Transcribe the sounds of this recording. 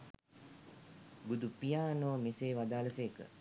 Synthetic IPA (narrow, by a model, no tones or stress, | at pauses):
ɡud̪upijaːnoːmeseːʋad̪aːləseːkə̰